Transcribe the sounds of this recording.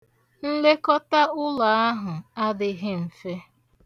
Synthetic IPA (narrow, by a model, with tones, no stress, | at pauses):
n̩˦le˦kɔ˦ta˦ʊ˦la˨a˦ɦʊ˨a˦dɪ˨ɦɪ˦m̩˨fe˦